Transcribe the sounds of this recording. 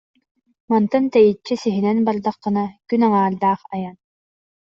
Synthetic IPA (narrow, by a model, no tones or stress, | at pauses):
mant̪ɯnt̪ɛjit͡ɕːisiɦinɛnbaɾd̪aqːɯ̆nakynaŋaːld̪aːχajan